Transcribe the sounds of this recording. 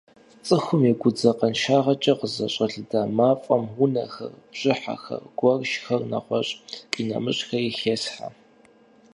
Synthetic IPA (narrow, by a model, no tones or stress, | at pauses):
t͡sʼɨxʷʊmiɡʷʊd͡zɐqɐnʃaːʁɐt͡ʃʼɐqəzɐɕʼɐɬɨdaːmaːfʼɐmwʊnɐ̰xɐ̰rbɕʼɪħa̰xɐ̰rɡ̥ʷɔrʃxɐrnɐ̰qʷɔɕʼqʼiːnɐ̰mɨɕxɐixeːsħa̰